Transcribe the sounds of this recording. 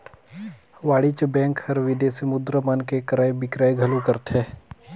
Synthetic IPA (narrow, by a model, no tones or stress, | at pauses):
ʋaːɽit͡ʃbɛ̃ːŋkhɐɾʋɪd̪esimʊd̪ɾəmɐnkekɐɾaːjbɪkɾaːjɡʱɐlukəɾt̪ɦɛː